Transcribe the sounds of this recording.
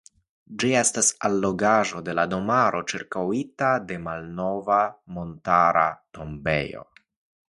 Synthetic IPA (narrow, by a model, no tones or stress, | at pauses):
d͡ʒie̞stasalːo̞ɡaʒo̞de̞lado̞maɾo̞t͡ʃiɾkawitade̞malno̞vamo̞ntaɾa̰to̞mbe̞̰jo̞̰